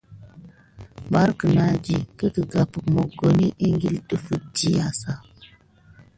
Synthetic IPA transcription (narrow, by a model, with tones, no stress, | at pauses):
ba˨˦ɾkə˨na˦d͡ʒi˨kə˦kə˨ɡa˨pə˨kmo˨ɡo˨ni˦ʔi˦ŋɡi˦ltə˦fə˨d͡ʒi˦ja˨sa˦˨